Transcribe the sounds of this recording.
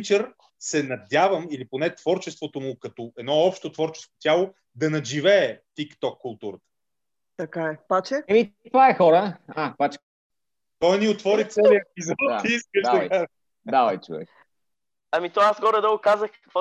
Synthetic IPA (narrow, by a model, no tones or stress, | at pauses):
t͡ʃəɾ | sɛnɐd̪ʲavəmiliponɛt̪v̥ɔɾt͡ʃɛst̪vot̪omʊkɐt̪oɛd̪nɔɔpʃt̪ot̪vɔɾt͡ʃɛ̥skko̥t̪ʲjalˠo | d̪ɐnɐʒivɛːt̪ikt̪ɔkːʊlˠt̪uɾət̪ə̥ | t̪ɐkaɛpat͡ʃɛɛmip̪aɛxɔɾəapat͡ʃɛ̥ | t̪ɔjniot̪vɔɾit̪sɛliəpizɔt̪aiiskəʃɐkaz | d̪aɐjt͡ʃṵvɛ̰x | ɐmit̪ɔasɡɔɾɛd̪əɡʊkazəxɐ̥kvɔ